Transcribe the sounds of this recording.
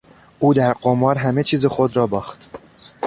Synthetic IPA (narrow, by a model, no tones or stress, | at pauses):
ʔuːd̪æɾɢomɒːɾɦæmet͡ʃʰiːzexo̞d̪ɾɒːbɒːxt̪